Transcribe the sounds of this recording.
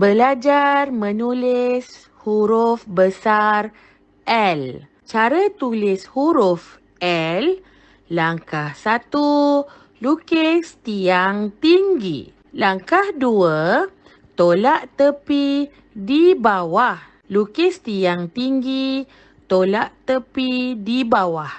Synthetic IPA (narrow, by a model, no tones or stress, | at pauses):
bəlad͡ʒarmə̃nulɪs | huɾʊfbəsar | ʔɛl | t͡ʃaɾat̪ulɪshuɾʊf | ɛlː | aŋkahsat̪u | lukɪst̪iaŋt̪iŋɡḭ | laŋkahduə | t̪olaʔt̪əpi | dibawah | lukɪst̪iaŋt̪iŋɡi | t̪olaʔt̪əpidibawah